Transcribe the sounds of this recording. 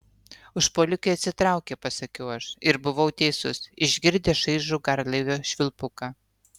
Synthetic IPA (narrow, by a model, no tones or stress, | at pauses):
ʊʃpoːlʲʊkʲoɐt̪ʲsʲɪt̪ɾɑˑʊkʲepɐsɐkʲɛʊɐʃɪɾbʊʋɐʊt̪ʲɛɪsʊsɪʒʲɡʲɪɾʲd̪ʲeːʃɐɪʒuːɡɐɾlˠɐɪʋʲoːʃʲʋʲɪlˠpʊkɑː